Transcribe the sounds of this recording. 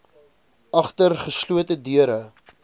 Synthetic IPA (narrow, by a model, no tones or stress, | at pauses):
ɐχtərχəsluətədyəɾə